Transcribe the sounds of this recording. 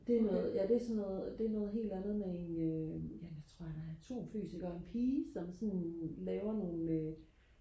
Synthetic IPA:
d̥e̝ænɔ̽ːð̩ˠjæd̥e̝æsɒ̽nːɔ̽ːðˠd̥e̝ænɔ̽ːð̞̩ˠɦe̝̰ːld̥ænð̞̩ˠmee̝nøjæjaɪt͡sʰʁo̝̰ɐ̰d̥ɑ̈æɐæt͡sʰo̝̰ːmfy̰ːsiɡ̥ɐe̝npʰiːsɒ̽msɒ̽nlɛːʊɐno̝ːn̩ø

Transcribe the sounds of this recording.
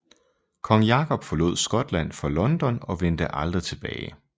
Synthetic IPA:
kʰɒ̽ŋjɑ̈kʰɒ̽b̥fɒ̽lo̝̰ð̞̰ˠsɡ̥ɒ̽d̥læn̰fɒlɒ̽nd̥ɒ̽nɒ̽ʋen̰d̥əʔɑ̈ld̥ʁit͡sʰe̝b̥ɛːɪ

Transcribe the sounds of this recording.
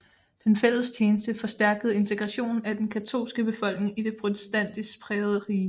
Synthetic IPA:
d̥enfel̰ðst͡ɕʰeːnəsd̥əfɒ̽sd̥æɐɡ̥əð̩ˠe̝nt͡sʰe̝ɡ̥ʁɑ̈ɕo̝̰ːnæd̥enkʰæt͡sʰo̝̰ːlsɡ̥əb̥e̝fɒ̽l̰ɡ̥ne̝ŋid̥e̝pʰʁo̝t͡sʰe̥sd̥æn̰d̥isɡ̥pʰʁɛːð̞̩ˠəʁiː

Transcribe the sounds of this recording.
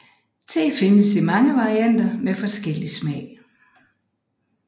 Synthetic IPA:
t͡sʰe̝̰ːfe̝nəsimɑ̈ŋəʋɑ̈ʁiæn̰d̥ɐmefɒ̽sɡ̥el̰ismɛɪ̰

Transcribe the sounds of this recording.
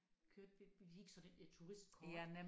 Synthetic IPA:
kʰøɐd̥ʋe̥hiɡ̥sɒ̽d̥end̥et͡sʰuʁisd̥̚kʰɒæne

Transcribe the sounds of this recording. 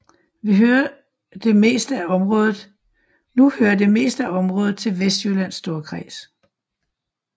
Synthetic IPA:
ʋiɦøɐ | d̥e̝me̝̰ːsd̥əæɒ̽mʁɔ̽ːðˠð̩ˠ | nuhøːɐd̥e̝me̝̰ːsd̥əæɒ̽mʁɔ̽ːð̩ˠt͡sʰe̝lʋesd̥jølæn̰sːd̥o̝ːɐkʰʁḭːs

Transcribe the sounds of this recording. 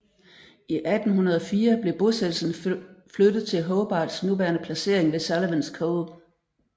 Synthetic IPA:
ʔiʔæd̥n̩hunɐð̞ˠɒfiːɐb̥le̝b̥o̝sed̥l̩sn̩flød̥ð̩ˠt͡sʰe̝lɦɔʊb̥ɑ̈ːd̥snuʋæɐnəpʰlæse̝ɐ̰e̝ŋʋe̝sælɐʋænskʰɔʊðˠ

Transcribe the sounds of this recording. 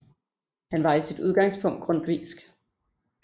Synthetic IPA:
hænʋɑ̈isid̥uð̞ˠɡ̥ɑ̈ŋspʰɔ̽ŋ̰d̥̚ɡ̥ʁɔ̽n̰d̥ʋḭːsɡ̥

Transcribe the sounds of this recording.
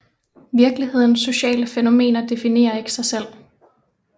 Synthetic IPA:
ʋiɐɡ̥lihe̝ð̰ˠn̩sːo̝ɕɛ̰ːləfeno̝me̝̰ːnɐd̥e̝fine̝̰ːɐe̝ɡ̥ə̥sɑ̈ɪsel̰

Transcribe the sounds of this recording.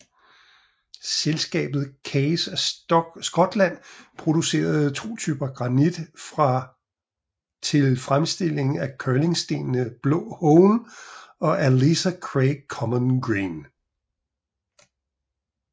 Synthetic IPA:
selsɡ̥ɛ̰ːb̥ð̞̩ˠkʰeɪsæsɡ̥ɒ̽d̥læn̰pʰʁo̝d̥use̝̰ːɐð̞̩ˠt͡sʰo̝̰ːt͡sʰyːb̥ɐɡ̥ʁɑ̈nid̥fʁɑ̈ | t͡sʰe̝lfʁamsd̥e̝l̰e̝ŋ̩ækʰøːle̝ŋsd̥e̝̰ːnnəb̥lɔ̰ːhɔʊn | ɒ̽ʔælesækʰʁeɪkʰɒ̽mənɡ̥ʁiːn

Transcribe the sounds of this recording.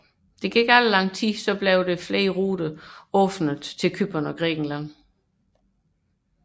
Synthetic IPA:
d̥e̝ɡ̥iɡ̥æləlɑ̈ŋ̰t͡sʰisɒ̽b̥leʊd̥e̝flḛːɐʁuːɾ̥əɔfnəð̩ˠt͡sʰe̝lkʰyb̥ɐnɒ̽ɡ̥ʁɛ̰ːɡ̥n̩læn̰

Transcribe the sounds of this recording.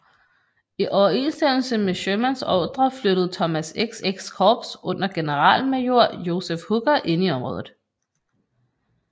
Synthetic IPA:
iʔɒʊɐe̝nsd̥em̰l̩səmeɕømænsɒd̥ʁɐfløɾ̥əð̞̩ˠt͡sʰɒ̽mæseɡ̥seɡ̥skʰɒːb̥sʔɔ̽n̰ɐɡ̥e̝nəʁɑ̰̈ːln̩mæjo̝ɐ̰jo̝sefhuɡ̥ɐʔe̝niɒ̽mʁɔ̽ːðˠð̩ˠ

